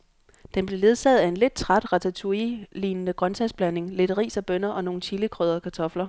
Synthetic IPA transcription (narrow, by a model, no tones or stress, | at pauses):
d̥enb̥le̝le̝ð̞ˠsɛð̩ˠæe̝nle̝d̥̚t͡sʰʁad̥ʁɑ̈t͡sʰæt͡sʰuiliːnənəɡ̥ʁɶnt͡sʰæsb̥læne̝ŋle̝d̥ɐʁḭːsɒ̽b̥œnɐʔɒ̽no̝ːn̩t͡sʰiləkʰʁœðˠɐkʰɑ̈t͡sʰɒ̽flɐ